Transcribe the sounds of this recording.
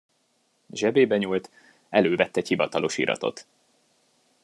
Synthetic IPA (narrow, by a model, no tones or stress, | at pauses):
ʒɛbeːbɛɲuːlt̪ | ɛløːvɛt̪ːɛchivɒt̪ɒlʔo̞ʃḭɾʔɒ̰t̪o̞̰t̪